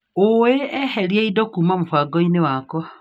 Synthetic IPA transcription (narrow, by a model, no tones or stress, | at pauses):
oweɛhɛɾjeidɔkuːmamofwaɡɔinewakɔ